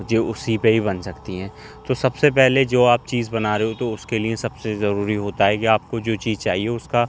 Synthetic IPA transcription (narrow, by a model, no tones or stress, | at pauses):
d͡ʒeːʊsipeɦibɐnsɐkt̪iɦɛ̃ː | t̪osɐbsepɛɦled͡ʒoːaːp̚t͡ʃiːzbɐnaɾeɦot̪oʊskeliesɐbsezɐɾuːɾiɦoːt̪aɦɛkiaːp̚kod͡ʒoːt͡ʃiːzt͡ʃaːɦieʊska